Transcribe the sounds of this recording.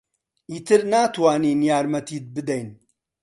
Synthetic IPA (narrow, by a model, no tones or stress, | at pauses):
iːt̪ʰɨɾnaːt̪ʰwaːniːnijaːɾmɐt̪ʰiːt̪̚bɨd̪ɐjn